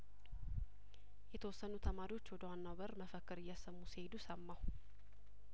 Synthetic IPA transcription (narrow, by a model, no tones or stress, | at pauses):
jɛt̪ʰəwɔsːənut̪ʰəmaɾiwo̞t͡ʃːwɔd̪əwanːawbəɾməfəkːɨɾɪjːasəmːusihed̪usəmːaw